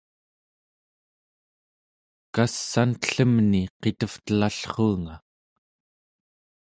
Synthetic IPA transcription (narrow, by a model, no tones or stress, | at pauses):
kasːankə̥ɬəmniqe̞t̪əft̪əlaɬχuːŋa